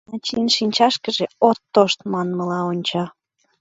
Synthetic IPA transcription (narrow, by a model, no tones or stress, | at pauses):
ɑt͡ɕinʃinʲt͡ɕɑʃkə̆ʒeot̪ːoʃt̪mɑnməlɑonʲt͡ɕɑ